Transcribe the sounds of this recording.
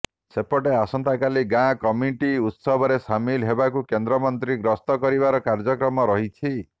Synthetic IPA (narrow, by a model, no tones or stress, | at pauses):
sepɔʈeasɔnt̪akaliɡãkɔmjiʈiut̪sɔbʱɔɾesamilɦebakukend̪ɾɔmɔnt̪ɾiɡɾɔst̪ɔkɔɾibaɾɔkaɾd͡ʒɔkɾɔmɔɾɔɦit͡ʃʰi